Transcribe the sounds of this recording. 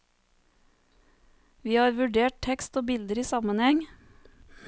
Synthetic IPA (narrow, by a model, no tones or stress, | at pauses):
ʋiːhɑːɾʋʉɖeːʈ̚tʰɛkst̪oːbɪld̪əɾiːsɑmənhɛŋ